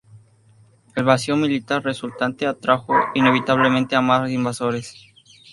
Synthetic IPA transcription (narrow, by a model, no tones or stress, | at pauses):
elβasiomilit̪aɾresult̪ant̪eat̪ɾaxoine̞β̞it̪aβ̞lemẽnt̪eamasosimbaso̞ɾe̞s